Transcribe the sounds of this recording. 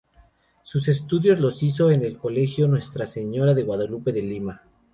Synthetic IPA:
sus̬e̞st̪uðjo̞zlo̞sis̬o̞ene̞lko̞le̞xjo̞nwe̞st̪ɾase̞ɲo̞ɾaðe̞ɣwaðolupe̞ðelima

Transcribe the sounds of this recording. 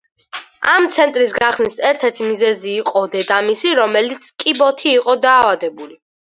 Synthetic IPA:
amt̪sʰɛnt̪ʼɾisɡaχsnisɛɾt̪ʰɛɾt̪ʰimizɛziːqʼɔd̪ɛd̪amisiɾɔmɛlit̪sʰkʼibɔt̪ʰiːqʼɔd̪aːvad̪ɛbuli

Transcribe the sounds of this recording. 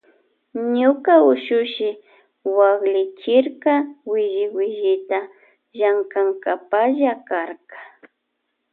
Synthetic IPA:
ɲʊkaʊʃʊʃɪ | waɡlɪt͡ʃɪɾkawɪʒɪwɪʒɪt̪a | ʒaŋkaŋkapaʒakaɾkḁ

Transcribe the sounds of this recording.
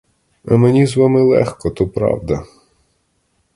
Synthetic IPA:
ɐmenʲizʋɑmɪlˠɛ̰xkɔt̪upɾɑ̰wd̪ɐ

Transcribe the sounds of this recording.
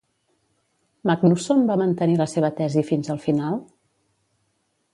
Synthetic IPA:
maknusombamənt̪əniləseβət̪ɛzifinzəlˠfinalˠ

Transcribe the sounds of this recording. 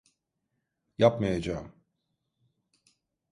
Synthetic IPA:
japmajad͡ʒaːm

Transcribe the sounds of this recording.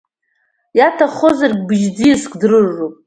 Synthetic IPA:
jatʰaχozarɡʲbɨʒd͡zijskʷʰʼdrɨrːupʼ

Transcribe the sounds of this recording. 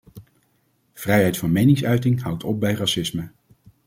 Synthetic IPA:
v̥rɛjɦɛjtfɑnmejnɪŋsœɥtɪŋɦʌwtʰɔp̚bɛjrɑsɪsmə

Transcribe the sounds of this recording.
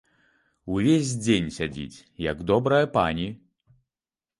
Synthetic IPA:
uvʲezʲd͡zʲenʲsʲad͡zʲḭt͡sʲ | jɐɡd̪ɔbɾɐjɐpanʲi

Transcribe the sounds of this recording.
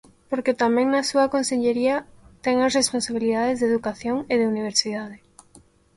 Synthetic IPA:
poɾket̪amɛ̃ŋnasuɐkonseʎeɾiat̪ɛŋasresponsaβiliðaðezðeðukaθjoŋeðeuniβ̞eɾsiðað̞e

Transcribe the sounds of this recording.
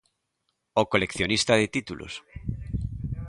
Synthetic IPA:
okolekθjonist̪aðet̪it̪ulʔo̰s

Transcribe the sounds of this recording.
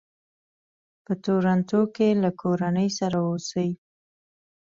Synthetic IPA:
pət̪oɾant̪okelakʰoɾanəjsaɾaosəwi

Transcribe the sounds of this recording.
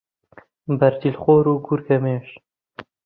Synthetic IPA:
bɐɾd̪ilxoːɾuːɡuɾkɐmeːʃ

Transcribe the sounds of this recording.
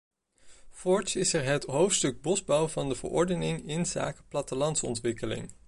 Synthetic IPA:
fɔɹsɪsɛɹɦətɦowftstɵɡ̚bɔzbʌwvɑndəvə̰ɹʔɔ̰ɹdənɪŋɪnza̰ːkəplɑtəlɑntsɔ̰ntʋɪkəlɪ̰ŋ

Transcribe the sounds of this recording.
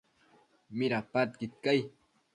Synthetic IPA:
mɪɾapat̪̚kɪt̪̚kaj

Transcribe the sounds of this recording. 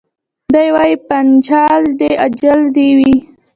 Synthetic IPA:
d̪ajwɑjipant͡ʃɑld̪ead͡ʒald̪ewi

